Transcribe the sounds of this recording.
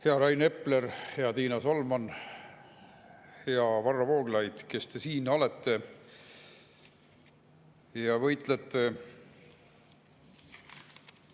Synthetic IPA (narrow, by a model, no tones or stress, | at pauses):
heɑɾɑjne̞pleɾheɑt̪iːnɑsolmɑn | heɑvɑrːɑvo̞ːɡ̥lɑjd̪̥ke̞st̪e̞siːnɑlet̪ːe̞ | jɑvɤjt̪ˑlet̪ːe̞